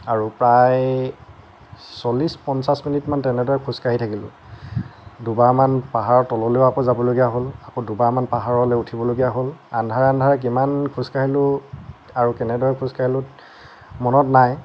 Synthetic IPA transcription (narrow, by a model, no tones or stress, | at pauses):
aɹupɹaj | sɔlispɔnsasminitmantɛnɛdɔɹɛkʰuskaɦitʰakilʊ̰̃ | dubaɹmanpaɦaɹɔtɔlɔleʊakɔzabɔloɡijaɦolakodubaɹmanpaɦaɹɔlɛutʰibɔloɡijaɦolandʱaɹɛandʱaɹɛk̬imankʰuskaɦilʊ | aɹukɛnɛdɔɹɛkʰuskaɦilʊt | mɔnɔtnaj